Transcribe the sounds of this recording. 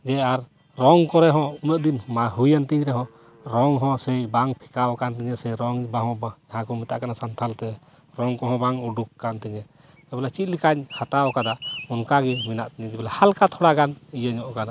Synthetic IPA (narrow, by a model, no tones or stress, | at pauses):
d͡ʒɛaɾ | ɾɔŋkɔɾɛɦɔ̃unəʔd̪inmaɦujant̪iɲɾɛɦɔ̃ | ɾɔŋɦɔ̃sɛjbaŋpʰi̥kawkant̪ɛɲɛsɛjɾɔŋbaɦɔ̃bad͡ʒaɦãkɔmit̪aʔkanasant̪ʰalt̪ɛ | ɾɔŋkɔɦɔ̃baŋuɖukːant̪ɛɲɛ | sɛbɛlat͡ʃit̪̚ˀlikaɲhat̪aɔkad̪aunkaɡɛmina̰ʔt̪ɛɲt̪ɛbɛlahalkat̪ʰɔɽaɡanijəɲɔʔkana